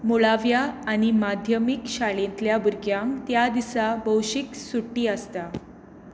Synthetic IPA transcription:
muɭaʋjaːɽ̃imad̪ʱjəmikɕaɭẽnt̪ljabuɾɡjaŋkt̪jad̪isabəwɕiksuʈːiːəst̪a

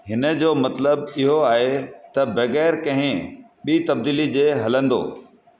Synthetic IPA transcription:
ɦɪnə̆d͡ʑoːmɐt̪ləbɪɦoaːɦet̪ɐbɐɣɛːɾkɐ̃ɦɪ̃ | ɓiːt̪ɐb̚d̪iːlid͡ʑeːɦɐlə̃nd̪o̰ː

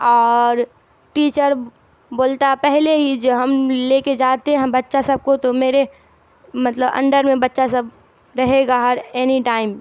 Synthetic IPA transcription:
ɔːɾ | ʈiːt͡ʃəɾ | boːlt̪apɛɦleɦid͡ʒɐɦɐmleːked͡ʒaːt̪eɦɛ̃ɦɛbɐtːʃasɐb̚kot̪omeːɾe | mɐt̪ləbɐ̰̃ɳɖəɾmẽbɐtːʃasəb | ɾɐɦeɡaɦɐɾɛːniʈaːɪm

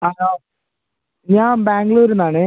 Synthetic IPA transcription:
aː | ɲaːnbaːŋɡɭoːɾunaːɳɨ

